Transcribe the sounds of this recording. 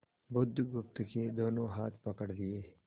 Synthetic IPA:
bʊd̪ʱːɡʊpt̪ked̪oːnõɦaːt̪ʰpɐkəɽd̪ɪeː

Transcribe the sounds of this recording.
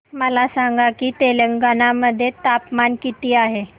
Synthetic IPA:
məlasaŋɡakiːt̪eləŋɡanaməd̪ʱːjet̪apmankit̪iːaɦe

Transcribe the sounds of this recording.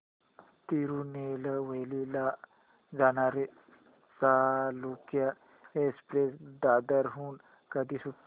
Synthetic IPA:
t̪iɾuneləʋəjlila | d͡zanaɾe | salukja | espɾesd̪ad̪əɾɦuːn | kəd̪iːsu

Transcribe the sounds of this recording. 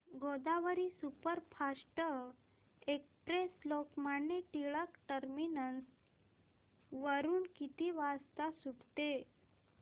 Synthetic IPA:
ɡʱod̪aʋəɾisupəɾpʰasʈə | ekspɾeslokmaɳːeʈiɭəkʈəɾminəns | ʋəɾuːnkit̪iːʋast̪asubt̪e

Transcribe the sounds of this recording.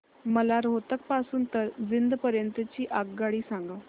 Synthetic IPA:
məlaɾɦot̪ək̚pasuːnt̪əɾd͡zind̪pəɾjənt̪ət͡ɕiːʔaɡɡaɽiːsãŋɡa

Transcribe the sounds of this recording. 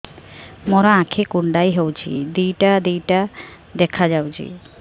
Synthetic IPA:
mɔɾaãkʰekuɳɖajɦewt͡ʃʰḭd̪ijʈad̪ijʈa | d̪ɛkʰad͡ʒawt͡ʃʰḭ

